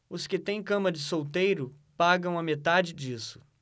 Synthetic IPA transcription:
ʊskɪt̪ẽj̃kɐ̃mɐd͡ʒɪsowt̪ejɾʊ | paɡɐ̃w̃ɐmet̪ad͡ʒɪd͡ʒisʊ̥

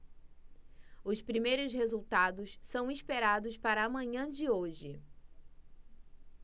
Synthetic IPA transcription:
ʊspɾimejɾʊshezuwt̪ad̪ʊssɐ̃w̃ispeɾad̪ʊspaɾɐːmɐ̃ɲɐ̃d͡ʒɪoʒɪ

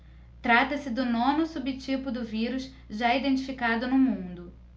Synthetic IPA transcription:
t̪ɾat̪ɐsɪd̪ʊnõnʊsubɪt͡ʃipʊd̪ʊviɾʊʃ | ʒaid̪ẽnt͡ʃifikad̪ʊnʊmũd̪ʊ

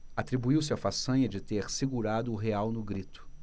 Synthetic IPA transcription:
at̪ɾibuiwsɪafasɐ̃ɲɐd͡ʒɪt̪eɾsiɡuɾad̪ʊːɦeawnʊɡɾit̪ʊ̥

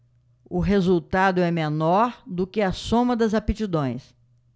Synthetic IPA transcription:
ʊɦezuwt̪ad̪ʊɛmenɔɾd̪ʊkɪɐsõmɐd̪ɐzapit͡ʃid̪õj̃s

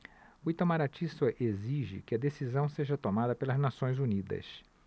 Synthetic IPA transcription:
ʊit̪ãmaɾat͡ʃisɐʔeziʒɪ̰kɪɐd̪esizɐ̃w̃seʒɐt̪omad̪ɐpelɐznasõj̃zunid̪ɐ̰s

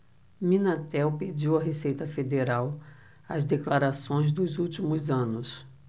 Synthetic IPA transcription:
mĩnat̪ɛwped͡ʒiwɐɦesejt̪ɐfed̪eɾaw | ɐzd̪eklaɾasõj̃zd̪ʊzuwt͡ʃimʊzɐ̃nʊs

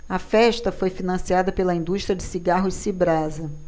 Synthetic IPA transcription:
ɐfɛʃt̪ɐfojfinɐ̃siad̪ɐpelɐĩnd̪uʃt̪ɾiɐd͡ʒɪsiɡaɦʊsibɾazɐ

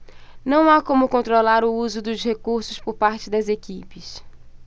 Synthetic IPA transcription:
nɐ̃w̃akõmʊkõnt̪ɾolaɾʊuzʊd̪ʊzhekuɾsʊspʊɾpaɾt͡ʃɪd̪ɐzekipɪs

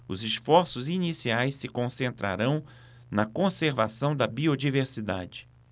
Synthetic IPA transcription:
ʊzɪsfɔɾsʊzinisiajsːɪkõsẽnt̪ɾʔa̰ɾɐ̃w̃ | nɐkõseɾvasɐ̃w̃d̪ɐbiod͡ʒiveɾsid̪a̰d͡ʒɪ

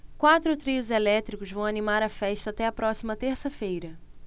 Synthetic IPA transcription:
kwat̪ɾʊt̪ɾiʊzelɛt̪ɾikʊzvɐ̃w̃animaɾɐfɛʃt̪ɐaːt̪ɛɐpɾɔsimɐt̪eɾsɐfejɾɐ

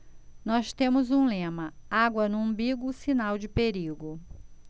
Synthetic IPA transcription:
nɔst̪ẽmʊzũlẽmɐaɡwɐnʊ̃biɡʊsinawd͡ʒɪpeɾiɡʊ

